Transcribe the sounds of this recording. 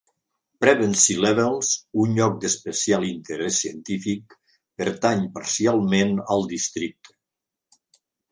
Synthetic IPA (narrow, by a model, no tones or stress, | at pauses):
pɾɛβənsilɛβelˠzunʎɔk̚d̪əspəsialˠint̪əɾɛsːiənt̪ifik̚ | pəɾt̪aɲpaɾsialˠmenəlˠd̪ist̪ɾik̚t̪